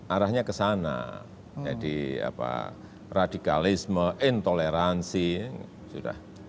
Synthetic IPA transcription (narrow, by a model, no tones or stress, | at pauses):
ʔaɾahɲakəsana̰ | d͡ʒadia̰pa̰ | radikalisməʔɪnt̪oleɾansi | suda̰h